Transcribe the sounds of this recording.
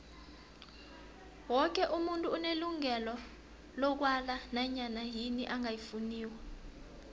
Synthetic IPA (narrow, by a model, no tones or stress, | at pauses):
wɔk̬ɛʔumuntʼuːneluŋɛlɔ | lɔk̬walanaɲanaɦiniʔaŋajifuniːwɛ